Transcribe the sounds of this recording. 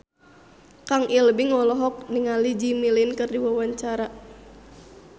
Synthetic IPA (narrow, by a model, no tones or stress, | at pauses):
kaŋʔilbiŋɔlɔɦɔk̚niŋalid͡ʒimilinkɨrdiwawaɲt͡ʃaɾa